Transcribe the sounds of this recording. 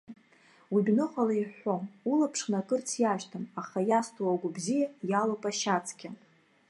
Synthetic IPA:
wibʲnɨχalaiħʷomulapʰʂnakʼɨrt͡sʰjaʒtʰamaχajastʰʼuaɡʷʊbzijajalopʼaʃat͡sʰʼkʲa

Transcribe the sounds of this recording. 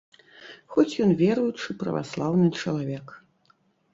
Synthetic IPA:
xɔt͡sʲjɔnvʲɛɾujut͡ʂɨpɾɐ̰va̰slˠawnɨt͡ʂɐlˠavʲɛk

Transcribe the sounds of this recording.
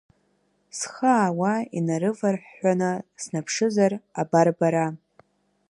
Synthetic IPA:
sχaːwainaɾɨvarħːʷanɨsnapʰʂɨzarabarbaɾa

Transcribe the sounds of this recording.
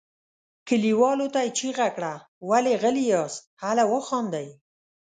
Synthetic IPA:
kəliwɑlot̪ajt͡ʃiɣakɽa | waleɣəlijɑshalawəxɑnd̪aj

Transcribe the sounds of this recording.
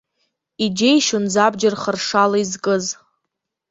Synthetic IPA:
id͡ʒejʃʊnzabd͡ʒarχərʂalaizkʼɨz

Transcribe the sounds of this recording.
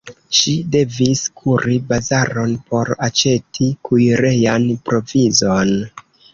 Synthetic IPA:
ʃide̞viskʰuɾibazaɾo̞npo̞ɾat͡ʃe̞tʰikujiɾe̞janpɾo̞vizo̞n

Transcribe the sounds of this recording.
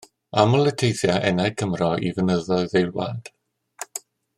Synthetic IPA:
amɔlˠətʰejθjaʔɛnajkʰəmrɔʔḭvənəðɔɨðejlˠwa̰nd̥

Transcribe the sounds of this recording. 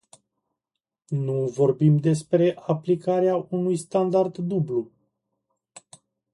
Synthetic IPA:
nuvo̞rbimd̪e̞spɾe̞ʔaplikaɾeaunujst̪and̪ard̪ːublu

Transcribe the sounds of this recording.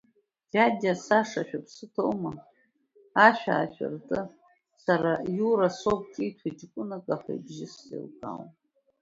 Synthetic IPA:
dadʲasaʂaʃᶣapʰsɨtʰowma | aʃᶣa̰ːʃᶣa̰rtʼɨ | saɾajuɾasop̚ʼkʼijtʰatikʷʼʊnakʼaħa̰jbʒɪsḛlkʼa̰wn

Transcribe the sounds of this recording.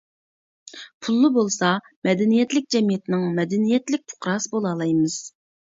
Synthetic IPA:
pʰulˠːɨbolˠsɑ | mɛd̪ɛnijɛt̪lɪk̚ʲd͡ʒɛmijɛt̪ʰɪnɪŋmɛd̪ɛnijɛt̪lɪk̚ʲt̪ʰʊ̥qɾɑsɨbolˠɑːlˠɑjmɨz̥

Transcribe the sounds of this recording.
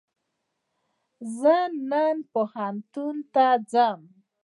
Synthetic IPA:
zənːənpohant̪unt̪ad͡zam

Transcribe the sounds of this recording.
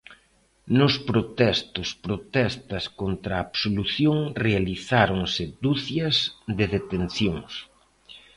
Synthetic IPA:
nʊspɾot̪ɛst̪ʊspɾot̪ɛst̪ɐskont̪ɾaːβsoluθjoŋrealiθaɾoŋsɪd̪uθjɐzd̪eðet̪enθjoŋs

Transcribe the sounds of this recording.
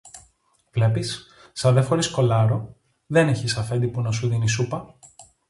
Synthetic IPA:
vle̞pisː | ɐðe̞fo̞ɾisko̞lɐɾo̞ | ðe̞ne̞çisɐfe̞nd̪ipunɐsuðinisupɐ

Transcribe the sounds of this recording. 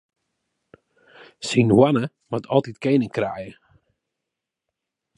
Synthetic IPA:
sinwanə | matʰɔlˠtitkeːnəŋkrɛjə

